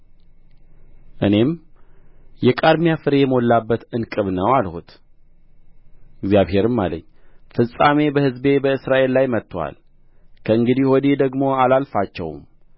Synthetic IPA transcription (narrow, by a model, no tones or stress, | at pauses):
ʔɨne̞m | jɛkʼaɾmijafɨɾe̞jɛmolːabːət̪ɨnkʼɨβnəwalho̰t̪ | ɪɡzjaβhe̞ɾɨmːa̰lə̰ɲːfɨsʼame̞bəhɨzbe̞bəɨsɾaʔe̞lːajmət̪ːwa̰l | kʰəɨŋɡɨd̪ihwɔd̪ed̪əɡmo̞alalfat͡ʃːɛ̰w̰m